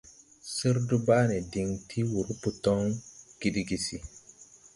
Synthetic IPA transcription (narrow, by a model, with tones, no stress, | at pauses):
si˦ɾdu˦ba˦nɛ˨di˨ŋtʰi˦wu˨ɾu˦pu˨tɔ˦ŋɡ̥i˦di˦ɡi˨si˨